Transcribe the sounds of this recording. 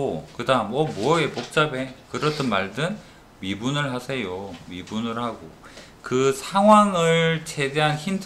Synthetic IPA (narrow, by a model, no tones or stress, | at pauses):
okɯdamwʌmoʌepok̚t͡ɕ͈abe̞kɯɾʌt͈ɯnmaɭdɯn | mibunɯɭɦasʰe̞jomibunɯɭhaɡo | kɯsʰaŋɦwaŋɯɭt͡ɕʰe̞deɦançimd͡ʑ